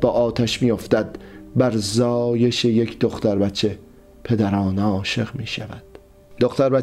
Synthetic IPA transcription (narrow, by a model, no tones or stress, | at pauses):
bɒːʔɒːt̪ʰæʃmiːjo̞ft̪æd̪̥bæɾzɒːje̞ʃejekʰd̪o̞χt̪æɾbæt̪t͡ʃʰe̞ | pʰe̞d̪æɾɒːneɒːʃe̞ɣmiːʃævæd̪̥ | d̪oχt̪æɾbæ